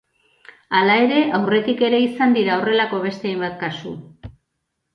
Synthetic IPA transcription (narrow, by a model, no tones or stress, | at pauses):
alae̞ɾe̞ʔawre̞t̪ike̞ɾe̞isand̪iɾao̞re̞lako̞βe̞st̪eajmbat̪kasṵ